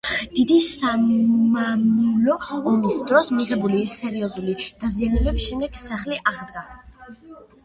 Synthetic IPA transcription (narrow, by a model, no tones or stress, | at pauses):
d̪̥id̪isamamulɔːmisd̪ɾɔsmiʁɛbulisɛɾiɔzulid̪̥azianɛbɛbisʃɛmd̪ɛɡ̥saχliʔaʁd̪ɡa